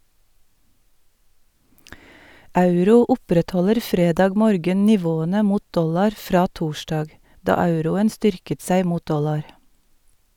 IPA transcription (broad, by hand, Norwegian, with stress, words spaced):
ˈɑʉɾuː ˈʊpɾɛtˌhɔləɾ ˈfɾeːdɑːɡ ˈmoːɾɡən nɪˈʋoːənə ˈmuːt ˈdɔlɑɾ ˈfɾɑː ˈtuːʃdɑːɡ ˈdɑː ˈɑʉɾʊən ˈstʏɾkət ˈsæɪ ˈmuːt ˈdɔlɑɾ